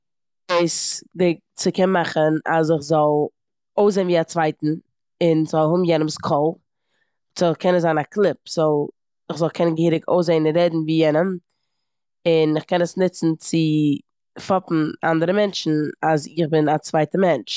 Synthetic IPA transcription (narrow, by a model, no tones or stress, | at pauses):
ɪsdɪ | t͡sɪkɛnmaχəna̰z̬ɪχzɔlˠ | oʊs̬zeːnviːat͡svaɪtn̩ | ɪnzɔlˠhʊbm̩jɛnəmskʰɔlˠ | t͡sɔkʰɛnəzaːnakʰlˠɪp̚z̥ɔlˠ | ɪχzɔlˠkʰɛnənɡəhiːɾɪkʰo̰ʊs̬eɪnɪɾɛdn̩viːjɛnəm | ɪnɪχkɛnəsnɪt͡sn̩t͡sɪ | fɔpn̩a̰ndəɾəmɛnt͡ʃn̩azɪχbɪnat͡svaɪtəmɛnt͡ʃ